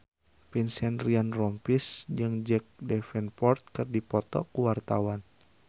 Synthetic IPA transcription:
pinsɛnrianrɔmpisd͡ʒɨŋd͡ʒɛk̚dɛfɛnpɔrt̪̚kɨrdipɔt̪ɔ̰kuwart̪awan

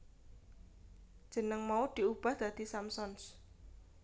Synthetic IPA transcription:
d̥ʒ̥ə̤nəŋmaud̪̥i̤ub̥ahd̪̥ä̤d̪̥isamsɔns

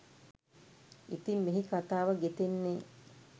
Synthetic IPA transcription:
it̪immiɦikat̪aːʋəɡet̪enːe

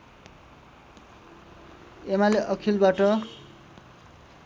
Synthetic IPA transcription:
emaleʔʌkʰilbaʈʌ

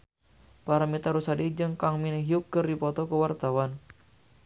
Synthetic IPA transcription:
paɾamit̪aɾusadid͡ʒɨŋkaŋminɦiʊp̚kərdipɔt̪ɔkəwart̪awan

